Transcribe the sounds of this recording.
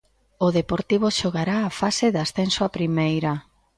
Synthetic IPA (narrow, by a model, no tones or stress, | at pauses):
ʊðepoɾt̪iβ̞oʃoɣaɾaːfaseðasθensoapɾimejɾa